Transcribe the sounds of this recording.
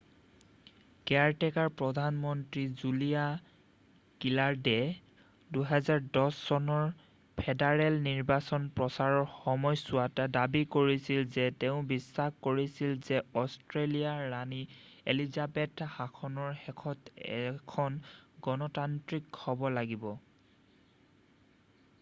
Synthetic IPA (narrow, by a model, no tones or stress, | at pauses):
kɛɹtɛkaɹpɹɔdʱanmɔntɹizulija | kilaɹdɛ | duɦɛzaɹdɔsːɔnɔɹ | pʰɛdaɹɛlniɹbasɔnpɹɔsaɹɔɹxɔmɔjsʊatadabikoɹisilzɛtɛʊ̃bisːakkoɹisilzɛɔstɹelijaːani | elizabɛthakʰɔnɔɹxɛkʰɔtɛ̰kʰɔnɡɔnɔtantɹikhɔbɔlaɡibɔ